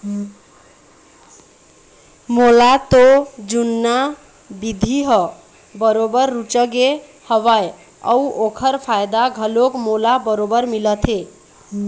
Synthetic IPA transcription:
molat̪od͡ʒunːa | bid̪ʱiɦə | bəɾobəɾːut͡ʃəɡe | həβaj | ə̰uʔokʰəɾpʰajd̪aɡʱəlokmolabəɾobəɾmilət̪ʰe

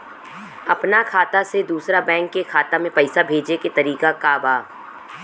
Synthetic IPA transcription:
ɐpnakʰaːt̪ased̪uːsɾabɛ̃ːŋkːekʰaːt̪amẽpɐɪsabʱeːd͡ʒeket̪ɐɾiːkakaːbaː

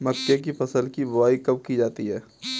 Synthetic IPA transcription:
mɐkːjak̬ifɐsəlkibɐʋaːikɐb̚kid͡ʒaːt̪iɦɛː

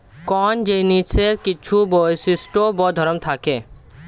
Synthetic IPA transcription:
kɔnd͡ʑeniseɾkit͡ɕʰubojesisʈobɔd̪ʱɔɾomt̪ʰake

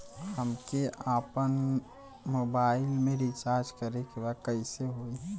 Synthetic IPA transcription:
ɦəmkeʔaːpən | mobaːɪlmẽɾit͡ʃaːɾd͡ʒkəɾekebakəɪseɦoiɦɛ̃

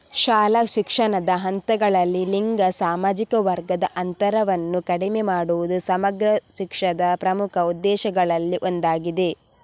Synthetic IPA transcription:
ʃaːlɐʃikʂɐɳɐd̪ɐɦɐnt̪ɐɡɐɭɐlːiliŋɡɐsaːmaːd͡ʒikɐʋɐɾɡɐd̪ɐʔɐnt̪ɐɾɐʋɐnːukɐɽimemaːɽuʋud̪usɐmɐɡɾɐʃikʂɐd̪ɐpɾɐmukʰɐud̪ːɛːʃɐɡɐɭɐlːiʔo̞nd̪aːɡid̪e̞

